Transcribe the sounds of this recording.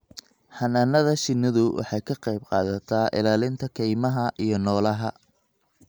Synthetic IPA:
ħɐnɐnɐðɐʃɪnɐðʊwʔɑ̰ħɑjkʰɐqɑjb̚qɑ̰ːðɐt̪ʰaːʔɪ̰laːlɪnt̪ʰɐkʰɛjmɐɦɐʔijɞnɔːlɐɦɐ

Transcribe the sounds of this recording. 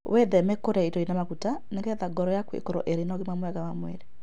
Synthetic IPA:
wʔeðɛmɛkoɾɛitoinamaɣutaneŋɡɛðaɡɔɾɔjakwḛkoɾɔ̰ʔeɾenɔɣemwamwɛɣawamwɛ̰ɾe

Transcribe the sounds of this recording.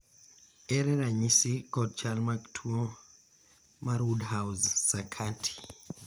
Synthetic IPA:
ɛɾɛɾaɲisikɔd̚t͡ʃalmaktʰuɔ | maɾudhawzːakʰatʰi̥

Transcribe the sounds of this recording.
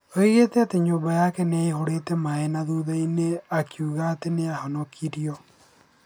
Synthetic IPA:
oiɣetɛateɲoːbajaːkɛneehoɾetɛmaenaðuðaineakijuɣaːteneahɔnokʰiɾjɔ

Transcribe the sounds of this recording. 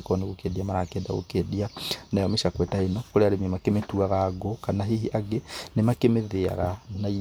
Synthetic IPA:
kɔneɣokeðiamaɾakeːda̰ɣo̰keðianajɔmeʃakwɛtaenɔkoɾeaɾememakemetuaɣaɡokanaɦiɦiʔaɡenemakemeðea̰ɣanai

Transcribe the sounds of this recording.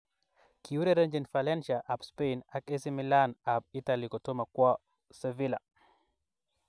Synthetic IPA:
kʰiuɾɛɾɛnd͡ʒɛnfalɛnʃaʔapspejnakɛsimilanap̚italikɔtɔmakwa | sɛvila

